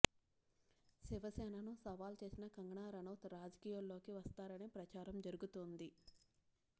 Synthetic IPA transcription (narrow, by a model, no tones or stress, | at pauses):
siʋɐsɛːnɐnusɐʋaːlt͡ʃe̞ːsinɐkɐŋɡɐɳaːɾɐnɐwt̪ɾaːd͡ʒɐkiːjɐlːo̞ːkiʋɐst̪aːɾɐnipɾɐt͡ʃaːɾɐmd͡ʒɐɾuɡut̪oːnd̪i